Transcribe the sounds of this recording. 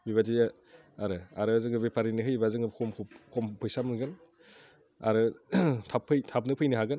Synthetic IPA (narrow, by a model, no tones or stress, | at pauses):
biβat̬iɯ | aɾɯaɾɯzɯŋɯbepʰaɾinɯɦɯjbazɯŋɯkʰɔmkʰkʰɔmpʰɯjsamɯnɡɯn | a̰ɾɯtʰapʰːɯjtʰap̚nɯpʰɯjnɯɦaɡɯn